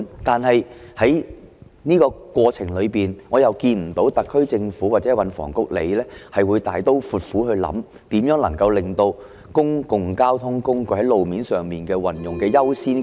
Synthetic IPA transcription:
t̪aː˨nɦɐ˨jhɐ˨˥j | niː˥kɔː˧kwɔː˧t͡sʰɪ˨˩ŋlɵ˨˧ɥpiː˨nŋɔː˨˧jɐ˨wkiː˧nm̩˨˩t̪o˨˥wt̪ɐ˨kʰːɵ˥ɥt͡sɪ˧ŋfuː˨˥waː˨˩t͡sɛː˨˥wɐ˨˧nfɔ̰ː˨˩ŋkʊ˥k̚lḛ˨˧jlɛː˥hɐ˨jwuː˨˧jt̪aː˨jt̪o˥wfuː˨t̚fuː˨˥ɦɵ˧ɥlɐ̰˨˥m | t̪iː˨˥mjœː˨˥ŋlɐ˨˩ŋkɐ˧wlɪ˨ŋt̪o˧w | kʊ˥ŋkʊ˨ŋkaː˥wt̪ʰʊ˥ŋkʊ˥ŋkɵ˧hɐ˨˥jlo˨wmiː˨˥nsœː˨˩ŋmiː˨˩nkɛː˧wɐ˨njʊ˨ŋkɛː˧jɐ˥wsiː˥n

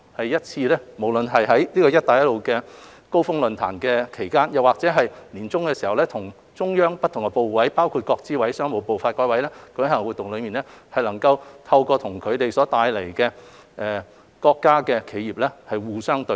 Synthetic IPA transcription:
hɐ˨jjɐ˥t̚t͡sʰiː˧lɛ˥mo˨˩wlɵ˨nɦɐ˨jɦɐ˨˥jniː˥kɔː˧jɐ˥t̚t̪aː˨jɐ˥t̚lo˨wkɛː˧ | ko˥wfʊ˥ŋlɵ˨nt̪ʰa̰ː˨˩nkɛ˧kʰe˨˩jkaː˥njɐ˨˩waː˨k̚t͡sɛː˨˥ɦɐ˨jliː˨˩nt͡sʊ˥ŋkɛː˧siː˨˩hɐ˨wlɛː˥t̪ʰʊ˨˩ŋ | t͡ʃʊ˥ŋjœː˥ŋpɐ˥t̪̚ʰʊ˨˩ŋkɛ˧po˨wwɐ˨˥jpaː˥wkʰuː˧t̚kɔː˧k̚t͡siː˥wɐ˨˥jsœː˥ŋmo˨˧wpo˨wfaː˧t̚kɔː˨˥jwɐ˨˥jlɛː˥kɔ˧˥hɐ˨˩ŋwuː˨˩t̪ːʊ˨ŋlɵ˨˧ɥmiː˨nlɛ˥hɐ˨jlɐ˨˩ŋkɐ˧wt̪ʰɐ˧wkɔː˧t̪ʰʊ˨˩ŋkʰɵ˨˧ɥt̪e˨jsɔː˨˥t̪aː˧jle˨˩jkɛː˧ | ʔɛː˨ | kɔː˧kːaː˥kɛː˧kʰe˨˧jiː˨p̚lɛː˥hɐ˨jwuː˨sœː˥ŋt̪ɵ˧˥

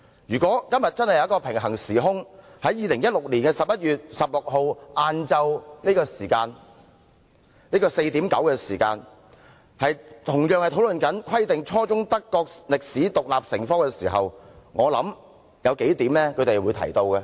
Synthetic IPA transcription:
jyː˨˩kɔː˨˥kɐ˥mjɐ˨t̚t͡sɐ˥nhɐ˨jɐ˧˦˥kɔː˧pʰɪ˨˩ŋɦɐ˨˩ŋsiː˨˩ɦʊ˥ŋhɐ˨˥jiː˨˧lɪ˨˩ŋjɐ˥t̚lʊ˨k̚liː˨˩nkɛː˧sɐ˨p̚jɐ˥t̚jyː˨t̚sɐ˨p̚lʊ˨k̚ɦo˧wʔaː˧nt͡sɐ˧wniː˥kɔː˧siː˨˩kaː˧n | niː˥kɔː˧se˧jt̪iː˨˥mkɐ˨˥wkɛː˧siː˨˩kaː˧n | hɐ˨jt̪ʰʊ˨˩ŋjœː˨˧ŋhɐ˨jt̪ʰo˨˥wlɵ˨nkɐ˨˥nkʰwɐ˥jt̪ɪ˨ŋt͡ʃʰɔː˥t͡sʊ˥ŋt̪ɐ˥kːɔː˧k̚lɪ˨k̚siː˨˥t̪ʊ˨k̚laː˨p̚sɪ˨˩ŋfɔː˥ŋkɛː˧siː˨˩ɦɐ˨wŋɔː˨˧lɐ˨˥m | jɐ˨˧wke˨˥jt̪iː˨˥mlɛː˥kʰɵ˨˧t̪e˨jwuː˨˧jt̪ʰɐ̰˨˩jt̪o˧wkɛ˧

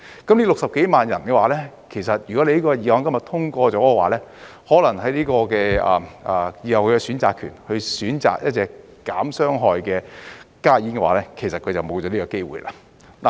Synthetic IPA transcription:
kɐ˨˥mliː˥lʊ˨k̚sɐ˨p̚ke˨˥jmaː˨njɐ˨˩nkɛː˧waː˨˥lɛ˥ | kʰe˨˩jsɐ˨t̚jy˨˩kɔ˨˥le˧liː˥kɔː˧jiː˨˧wɔː˧ŋkɐ˥mjɐ˨˩t̪ʰʊ˥ŋkʷɔː˧t͡sɔː˨˥kɛ˧waː˨˦lɛː˥ | hɔː˨˥lɐ˨˩ŋhɐ˨˥jliː˥kɔː˧kɛː˧ɐː˨ʔɐː˨˩jiː˨˧hɐ˨wkʰɵ˨˧kɛ˧syː˨˥nt͡saː˨kʰːyː˨˩nhɵ˧ɥsyː˨˥nt͡sa̰ː˨k̚jɐ˥t̚t͡sɛː˨˩kː | aː˨˥msœː˥ŋɦɔː˨jkɛː˧kaː˥jiː˨˥nkɛ˧waː˨˧˥lɛː˥kʰe˨˩jsɐ˨t̚kʰɵ˨˧ɥt͡sɐ˨wmo˨˧wt͡ɕɔː˨˥liː˥kɔː˧ke˥jwṵː˨˩jlʔa̰ː˧˥ | na˨˩

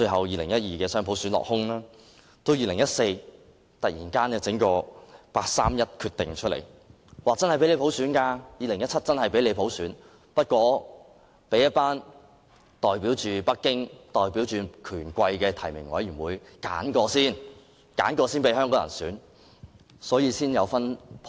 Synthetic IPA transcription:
t͡ʃɵ˧ɥɦɐ˨wjiː˨˧lɪ˨˩ŋjɐ˥t̚jiː˨kɛː˧sœː˥ŋpʰo˨˥wsyː˨˥nlɔ̰ː˨k̚hʊ˥ŋlaː˥ | t̪o˥wjiː˨lɪ˨˩ŋjɐ˥t̚se˧j | t̪ɐ˨k̚jḭː˨˩nkaː˥nɛ˧t͡sɪ˨˥ŋkɔː˧paː˧k̚sa̰ː˥mjɐ˥t̚kʰyː˧t̪ːɪ˨ŋt͡ʃʰɵ˥lḛ˨˩j | waː˨t͡sɐ˥nhjpe˨˥le˨˧po˨˥wsyː˨˥nkaː˧jiː˨˧lŋjɐ˥t͡sʰɐ˥t̚t͡sɐ˥nhɐ˨jpe˨˥jle˨˧jpʰo˨˥wsyː˨˥n | pɐ˥t̚kʷɔː˨˧ | pe˨˥jɐ˥t̚paː˥n | t̪ɔː˨jpiː˨˥wt͡ʃyː˨pɐ˥kːɪ˥ŋt̪ɔː˨jpi˨˥wt͡ʃyː˨kʰyː˨˩nkʷɐ˧jkɛː˧t̪ʰɐ˨˩jmɪ˨˩ŋwɔ̰˨˥jiː˨˩nwuː˨˧jka̰ː˨˥nkɔː˧siː˥˩n | ka̰ː˨˥nkɔː˧siː˥npe˨˧jɦœː˥ŋkɔː˨˧˥jɐ̰˨˩nsyː˨˥n | sɔː˨˥jiː˧siː˥njɐ˨˧wfɐ˥npʰ

